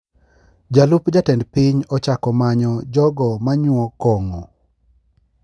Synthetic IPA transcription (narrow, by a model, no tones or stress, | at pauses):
d͡ʒalupd͡ʒatɛndpɪɲɔt͡ʃakɔmaɲɔd͡ʒɔɡɔmaɲwɔkɔŋɔ